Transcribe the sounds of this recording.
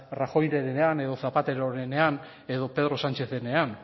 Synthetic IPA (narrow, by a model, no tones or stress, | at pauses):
raxo̞jɾe̞ɾeeane̞ðo̞θapat̪e̞ɾoɾene̞an | e̞ðo̞pe̞ðɾosant͡ʃe̞θene̞an